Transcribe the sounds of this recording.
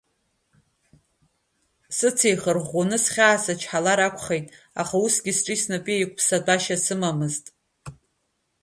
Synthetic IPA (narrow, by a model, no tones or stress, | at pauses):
sɨt͡sʰejχərʁonɨsχʲaːsat͡ʃʰħalaɾakʷʰʼχejtʼ | aχausɡʲisʈ͡ʂʼisnɨpʼiejkʷʰʼpʰsadʷʼaʃasɨmamɨztʼ